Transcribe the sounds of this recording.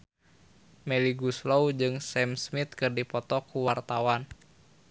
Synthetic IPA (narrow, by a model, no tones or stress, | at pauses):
mɛliɡusloud͡ʒɨŋsɛmsmit̪̚kɨrdipɔt̪ɔkuwart̪awan